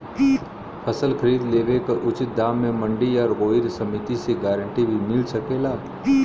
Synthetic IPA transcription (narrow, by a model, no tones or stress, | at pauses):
pʰəsəlkʰəɾiːd̪leːʋekaʔʊt͡ʃɪt̪̚d̪aːmːẽmɐ̃ɳɖiɔːɾɣoːɪɾsɐmɪt̪iseɡaːɾə̃ɳʈibʱimɪlsɐkeːlaː